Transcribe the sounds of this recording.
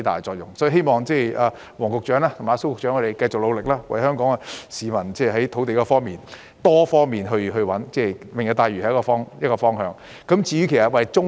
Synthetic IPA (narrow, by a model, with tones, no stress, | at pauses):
jt̪a̰ː˨˩jt͡ʃɔː˧k̚jʊ˨ŋsɔ˨˥˨ɦe˥jmɔː˨ŋt͡sɛː˥˩ʔaː˨˧ | wɔː˨˩ŋkʊ˨k̚t͡ʃœː˨˥ŋaː˥t̪ʰʊ˨˩maː˨˧˥so˥wkʊ˨k̚t͡ʃœː˨˥ŋʰkʰːɵ˨˧te˨˩jkɐ˧jt͡sʊ˨k̚lo˨˧wlɪ˨k̚laː˥wɐ̰˨˩jhœː˥ŋkɔː˨˥ŋa˧siː˨mɐ˨˩nt͡sɛː˥˩ɦɐ˨˥jt̪ʰo˨˥wt̪e˨jkɔː˧fɔː˥ŋmiː˨n | t̪ɔː˥fɔː˥ŋmiː˨nɦɵ˧ɥɦɵ˧wɐ˨˥nt͡sɛː˥˩wɪ˨ŋjɐ˨˧wt̪aː˧jɥyː˨˩ɐ˨jkːɔː˧fɔː˥ŋjɐ˥t̚kːɔː˧fɔː˥ŋɦœː˧ŋ | kɐ˨˧˥mt͡sʰiː˧ɥyː˨˥kʰe˨˩sɐ˨t̚wɐ˨jt͡sʊ˥ŋ